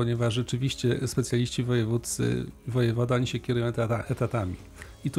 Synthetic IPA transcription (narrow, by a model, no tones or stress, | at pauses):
ɔɲɛvaʐʐɛt͡ʂɘvʲiɕt͡ɕɛspɛt̪sʲjalʲiɕt͡ɕivɔjɛvut̪sɘ̰vɔjɛvɔd̪ɛɔɲiɕɛkʲɛɾujɔ̃w̃aʔɛt̪at̪amʲḭ | it̪u